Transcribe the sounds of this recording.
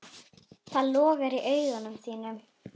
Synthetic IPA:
θʰalɔːɣɛɾiʔœːɥɣanʏmsiːnʏm

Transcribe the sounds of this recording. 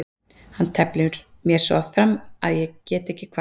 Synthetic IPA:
hanːt̪ʰɛplɪɾ̥ | mjɛɾ̥sɔ̰fɾamaðjɛɣcɛːt̪ɛhcːɪkʰva

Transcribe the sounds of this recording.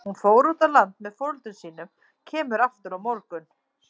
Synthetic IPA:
hunfoːwɾut̪alant̪mɛðfowlt̪ʏnsiːnʏm | cʰɛːmʏɾaft̪ʏɾawmɔɾkʏn

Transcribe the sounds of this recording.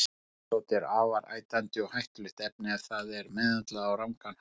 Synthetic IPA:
owt̪ɛɾaːvaɾa̰ːjt̪ant̪ɪɔɣhajht̪ʏlɪht̪ɛp̚nɪaðθaðɛɾmɛðat̪laðawramkan

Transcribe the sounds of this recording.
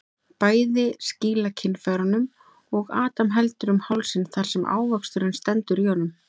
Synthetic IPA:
paːjðɪsciːlacʰɪnːfaɾanʏm | ɔɣaːt̪amɦɛlt̪ʏɾʏmhawlsɪnθaɾ̥sɛmʔa̰ːwvakst̪ʏɾɪnst̪ɛnt̪ʏɾihɔnːʏm

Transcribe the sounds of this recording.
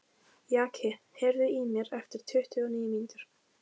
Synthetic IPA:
jaːkʰɛ | hɛɾðʏimjɛɾɛft̪ɪɾ̥t̪ʰʏht̪ʰʏɔniːjmint̪ʏɾ̥

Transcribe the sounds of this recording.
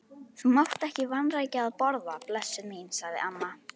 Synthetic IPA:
θumawht̪ɛhcɪvanraːjcɪaðpɔɾðaplɛsːʏminsaɣðɪ̰ʔamːa

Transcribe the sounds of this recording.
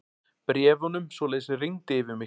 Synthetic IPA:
pɾjɛːvɔnʏmsvɔlɛːðɪsɪriŋt̪ɪvɪmɪ

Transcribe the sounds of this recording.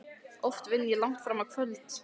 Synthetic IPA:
ɔft̪vɪnːjɛlaŋ̥t̪fɾaːmaðkʰvœlt̪

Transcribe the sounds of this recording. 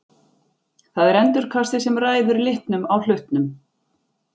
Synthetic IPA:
θaðɛɾɛnt̪ʏɾ̥kʰast̪ɪsɛmraːjðʏɾlɪht̪nʏmawl̥ʏht̪nʏm

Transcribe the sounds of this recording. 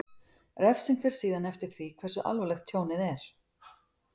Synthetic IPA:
rɛfsɪnfɪɾ̥siːðanɛft̪ɪɾ̥θvikʰvɛrsʏʔa̰lvɔlɛxt̪ʰjoːwnɪðɛɾ̥

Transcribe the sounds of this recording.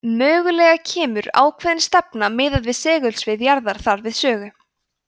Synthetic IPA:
mœːɣʏlɛːɣacʰɛːmʏɾa̰ːwkʰvɛðɪnst̪ɛpnamɪːðaðvɪðsɛːɣʏlsvɪðjaɾðaɾ̥θaɾvɪðsœːɣʏ

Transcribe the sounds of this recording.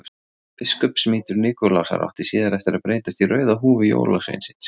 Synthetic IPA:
pɪskœpsmiːt̪ʏɾniːkɔlasa̰ɾa̰wht̪isiːðaɾɛft̪ɪɾaðpɾeːjt̪ast̪irœːɥðaɦuːvɪjo̰ːwlasḛjnsɪ̥ns

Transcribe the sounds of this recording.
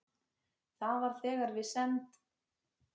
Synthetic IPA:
θaðvaɾ̥θɛːɣaɾvɪsɛnt̪

